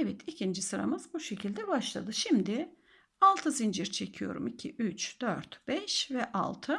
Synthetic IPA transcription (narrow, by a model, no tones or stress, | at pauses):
ɛvɛt̪ʰicʰind͡ʒisɯɾa̰mɯzbuʃe̞cʰilʲd̪ɛbaʃlˠa̰d̪ɯʃimd̪ɪ | alˠt̪ʰɯzind͡ʒiɾt͡ʃʰe̞cʰijo̞̰ɾṵmicʰiʔyt͡ʃd̪øɾt̪b̥ɛʃvɛʔa̰lˠt̪ʰɯ